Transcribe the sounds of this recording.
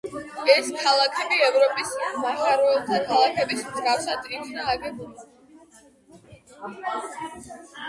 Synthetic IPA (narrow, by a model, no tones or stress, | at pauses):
ɛskʰalˠakʰɛbiɛvɾɔpʼismahaɾɔɛlt̪ʰakʰalˠakʰɛbismzɡafsad̪ɾit̪ʰnaːɡɛbula